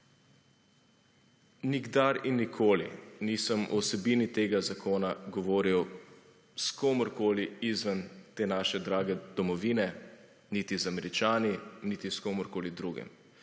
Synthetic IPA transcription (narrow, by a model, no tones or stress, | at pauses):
niɡd̪aɾinːikʰoːlḭnisəmʔɔ̰wsɛbiːnit̪eːɡazakʰoːnaɡɔʋoːɾiɔ | skoːmɔɾkoːliizʋənt̪eːnaːʃɛd̪ɾaːɡɛd̪̥ɔmɔʋiːnɛ | nit̪izamɛɾit͡ʃaːninit̪iskomɔɾkoːlid̪ɾuɡɛ̰m